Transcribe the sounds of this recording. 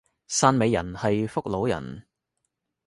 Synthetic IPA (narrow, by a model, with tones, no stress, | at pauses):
saː˧nme˨˧jːɐ˨˩nhɐ˨jfʊ˥k̚lo˨˥wjɐ̰˨˩n